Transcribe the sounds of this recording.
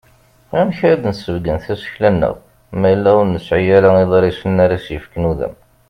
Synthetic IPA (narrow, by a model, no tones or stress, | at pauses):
æmçɾæd̪nsəvɡənθæsə̥çlænːə̰ʁ | mæjəlːæʊɾnəsʕijæɾæiðˤɾisənːaɾæsjəfknuðæ̰m